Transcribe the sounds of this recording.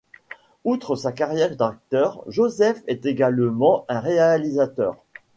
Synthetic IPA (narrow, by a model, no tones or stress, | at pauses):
ut̪χəsakaʁjɛʁd̪ak̚t̪œʁʒozɛfɛt̪eɡalmɑ̃ɛ̃ʁealizat̪œ̰ːʁ